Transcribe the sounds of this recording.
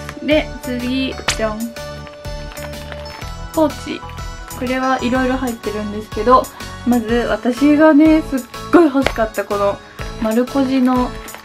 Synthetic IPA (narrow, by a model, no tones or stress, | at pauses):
ne̞t͡sɨɡʲit͡ɕãɴ | ho̞ːt͡ɕḭko̞ɾe̞βaʔiɾo̞iɾo̞ɦait̪ːe̞ɾɯ̟̃nd̪e̞sɨ̥ke̞d̪o̞mazɨβa̰t̪aɕiɡane̞sɨɡ̥ːo̞iɦo̞ɕi̥kat̪ːako̞no̞ | maɾɯ̟ko̞ʑino̞